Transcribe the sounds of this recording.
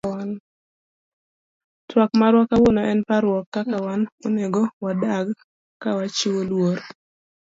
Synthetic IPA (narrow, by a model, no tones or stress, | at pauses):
an | twakmaɾwɔkawonɔʔɛnpaɾwɔkːakawanoneɡɔwadaɡ | kawat͡ʃiwolwoɾ